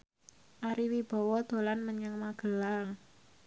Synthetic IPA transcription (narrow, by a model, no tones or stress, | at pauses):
ʔaɾiwib̥ɔ̤wɔd̪̥o̤lanməɲəŋmaɡ̥əlaŋ